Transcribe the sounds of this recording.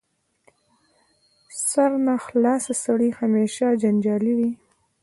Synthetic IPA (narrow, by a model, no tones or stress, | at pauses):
saɾnaxlɑsasaɽihameʃad͡ʒand͡ʒɑliwi